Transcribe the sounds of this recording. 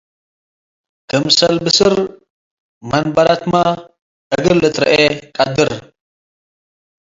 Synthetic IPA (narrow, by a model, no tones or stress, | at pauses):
kɨmsɐlbɨsɨɾ | mɐnbɐɾat̪ma | ʔɨɡɨlɨt̪ɾɐ̰ʔekʼɐd̪ɨɾ